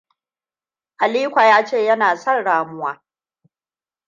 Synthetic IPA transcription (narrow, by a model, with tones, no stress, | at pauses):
ʔa˨liː˦kʷa˨jaː˦t͡ʃeː˦˨jɐ˦naː˨sɐ˦nɽaː˨mʊ˦waː˦